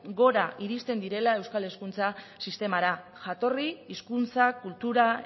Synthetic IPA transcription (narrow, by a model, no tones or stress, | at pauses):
ɡo̞ɾaʔiɾist̪e̞nd̪iɾe̞lae̞wskale̞skunt͡sasist̪e̞maɾaʝat̪o̞riiskunt͡sakult̪uɾa